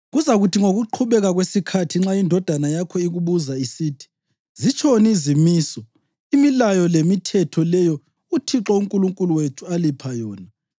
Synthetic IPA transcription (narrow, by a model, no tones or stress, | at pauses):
ɣuzaɣutʰiŋoɣuǃʰuβɛɣaɣwesikʰatʰiŋ͡ǁaindʱɔd̥ʱanajakʰɔiɣuβuzaisiːtʰi̥ | zit͡ʃʰonizimiːsɔ | imilajɔlemitʰɛtʰɔlɛjɔ | utʰiǁɔuŋkʼuluŋkʼuluwetʰualipʰajɔːna